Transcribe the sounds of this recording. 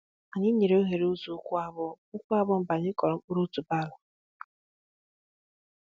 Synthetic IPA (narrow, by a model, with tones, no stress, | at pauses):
a˨ɲɪ˦ɲe˨ɾe˦o˦ɦe˨ɾe˨˦u˦zu˦kʷu˦a˦bʊ˦ | ʊ˦kʷu˦a˦bʊ˦m̩˦ba˨ɲɪ˦kɔ˨ɾɔ˨˦u˦ɾu˦tu˨ba˦˨lʊ˨